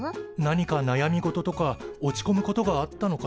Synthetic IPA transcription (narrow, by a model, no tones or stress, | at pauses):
naɲ̟ikanajamʲiɡo̞t̪o̞t̪o̞kao̞t͡ɕi̥ko̞mɯ̟ko̞t̪o̞ɡaat̪ːano̞ka